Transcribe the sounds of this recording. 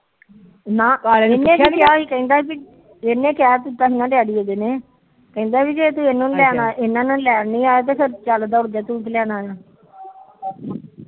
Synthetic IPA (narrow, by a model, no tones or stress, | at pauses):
nãːenkːẽːkɪjaːiːkɛ̃ĩːd̪aːpi | enːẽːkɪaːt̪ut̪ːaːɦinãːɖjaːɽiːeːd̪eːneː | kɛ̃ĩːnd̪aːpiːd͡ʒeːt̪̬ũeːnõːnlɛːnaːʔɪnãːnãlɛːnĩːaːjaːt̪̬eːkʰəɾt͡ʃald̪aːʊɽd̪aːt̪ũːkːlɛːnaːjaː